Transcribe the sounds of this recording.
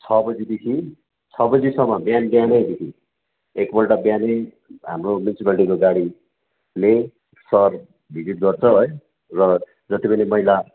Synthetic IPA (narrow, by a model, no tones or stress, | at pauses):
t͡sʰʌbʌd͡zid̪ekʰi | t͡sʰʌbʌd͡zisʌmːʌbjanbjanʌjd̪ekʰi | ekbʌlʈabjane | ɦa̰mromjunisipalʈikoɡaɽi | le | sʌr | bʱid͡zit̪̚ɡʌrt͡sʰʌɦoj | rʌ | d͡zʌt̪ipʌnimʌɦila